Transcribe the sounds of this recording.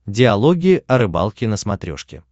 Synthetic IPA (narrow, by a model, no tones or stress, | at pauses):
dʲɪɐlˠoɡʲɪʔɐɾɨba̰lˠkʲɪnəsmɐt̪ɾʲo̰ʂkʲɪ̰